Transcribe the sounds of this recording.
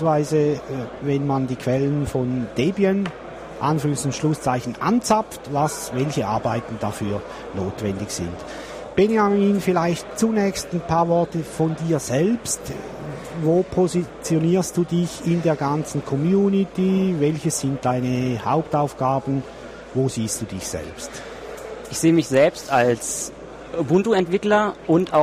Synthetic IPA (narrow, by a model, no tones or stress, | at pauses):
vaɪzəvɛnmandiːkʰv̥ɛlənfɔnd̥ebiən | ʔa̰nfyʁəŋsnʃlʊst͡saɪçn̩ʔant͡sap͡ftvasvɛlçəʔaɐbaɪtn̩dafyːɐ | noːtvɛndɪçsɪ̰nt | b̥enjamiːnfɪlaɪçt̚t͡sunɛːçstnpʰaːɐvɔɐtəfɔndiːɐz̥ɛlpst | voːpʰozit͡sjoniːɐstd̥uːdɪçɪndeːɐɡant͡sn̩kʰɔmjuːnitivɛlçəssɪnt̚d̥aɪnəhaʊptaʊfɡ̥aːbn̩ | voːziːstd̥uːdɪçsɛ̰lpst | ʔɪçz̥eːəmɪçz̥ɛlpstals | bʊntuɛntv̥ɪklɐʔʊntaʊ